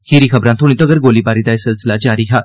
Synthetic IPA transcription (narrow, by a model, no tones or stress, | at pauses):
xeːɾixʰɐbɾãt̪ʰoɽ̃it̪əɡəɾɡoːlibaːɾid̪ajsɪlsɪlad͡ʒaːɾiɦa